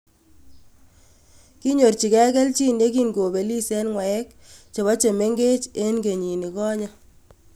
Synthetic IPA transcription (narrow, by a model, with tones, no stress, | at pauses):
ki˦ɲo˨rt͡ʃi˨kɛ˦kɛ˦lt͡ʃi˦nde˦ki˦ŋɡo˨be˨li˦sɛ˦nŋwa˨ɛ˦k̚ | t͡ʃo˨βɔ˦t͡ʃe˨me˦ŋɡe˦t͡ʃe˦nɡe˨ɲi˨ni˨kɔ˦ɲa˦